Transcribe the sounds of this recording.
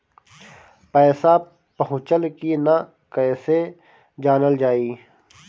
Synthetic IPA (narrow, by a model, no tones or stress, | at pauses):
pɛːsa | pɐɦʊ̃t͡ʃəlkina | kɛːse | d͡ʒaːnəld͡ʒaːiː